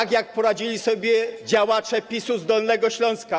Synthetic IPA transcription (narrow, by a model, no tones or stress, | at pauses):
kjak̚pɔɾad͡ʑilʲisɔbʲjɛd͡ʑawat͡ʂɛpʲisuzd̪ɔlnɛɡɔɕlɔ̃w̃ska